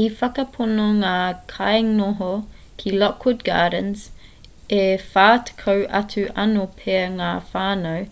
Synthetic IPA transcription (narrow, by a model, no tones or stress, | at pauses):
ifɐkɐpʰonoŋaːkʰajŋoɦo | kʰilɔkʰːud̚ɡa̰ːdənz | efaːtʰə̥kʰɐwʔɐ̰tʰʉʔɐnopʰeɐŋaːfaːnəw